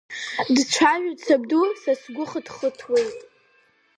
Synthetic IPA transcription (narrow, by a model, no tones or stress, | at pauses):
dt͡ʃʷʰaʒᶣʊt͡sʰab̚dusasɡʷʊχədχətʰwejtʼ